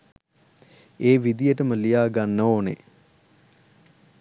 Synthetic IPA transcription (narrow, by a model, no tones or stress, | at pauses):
eːʋid̪ijəʈəməlijaːɡanːəoːnḛ